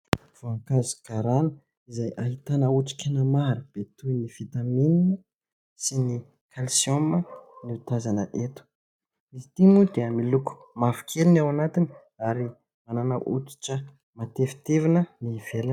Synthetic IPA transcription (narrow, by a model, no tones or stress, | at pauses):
v̥oaŋkazi̥kaɾanə̥ | izajʔaɦit̪anəuʈ͡ʂi̥kʲenəmaɾub̥et̪ujnifit̪amininə | sini | kʰalsioməniut̪azanəʔet̪u̥ | izit̪imud̪eəmiluku̥ | mafi̥kʰelinawanat̪ini | aɾi | mananə̰ʔṵt͡si̥ʈ͡ʂə | mat̪efi̥t̪evinəniv̥ela